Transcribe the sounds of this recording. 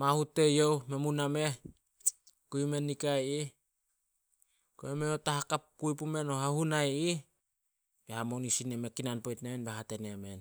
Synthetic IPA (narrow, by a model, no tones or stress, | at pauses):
mahutːe̞jowme̞muname̞ | koime̞nːikaji | koemeotaɦakapːujpume̞noɦahunaji | behamonisineme̞kinanpojtnemenbeɦatenemen